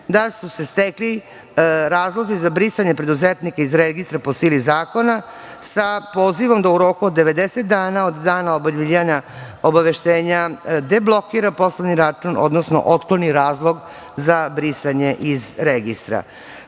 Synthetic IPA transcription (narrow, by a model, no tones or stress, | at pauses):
d̪asuse̞st̪ekli | ɾaːzlˠo̞zizabɾisaɲe̞pɾe̞d̪uzet̪nikaizɾeɡist̪ɾapo̞silizaːko̞na | sapo̞ːziʋo̞md̪auɾo̞ːkuod̪ːeʋe̞d̪eset̪̚d̪aːnaod̪ːaːnaobaʎiaɲa | obaʋe̞ʃt̪eːɲad̪e̞blˠo̞kiɾapo̞sloniɾat͡ʂuno̰d̪nosno̰ʔot̪kloniɾaːzlˠo̞ɡ | zabɾisaɲe̞ʔizɾeɡist̪ɾa̰